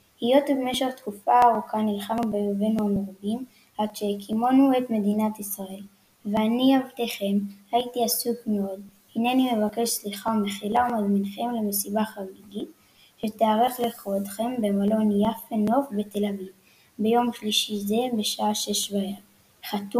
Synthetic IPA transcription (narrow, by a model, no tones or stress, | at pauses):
hijo̞t̪ivmeʃeʁt̪kufaːʁukanilχamubejovenuameʁabin | ʔad̪ʃekʰimonue̞t̪me̞d̪inat̪isʁae̞l | veaniavt̪eχe̞mhait̪iasukmeod̪̚ | hineanime̞vake̞ʃsliχaumeχilaumazminχe̞mle̞mesibaχaʁiɡit̪ | ʃet̪eaʁeχliχvod̪χe̞mbe̞malo̞njafeno̞fbe̞t̪e̞laviv | be̞jo̞mʃliʃize̞be̞ʃaaʃe̞ʃvaev | χat̪u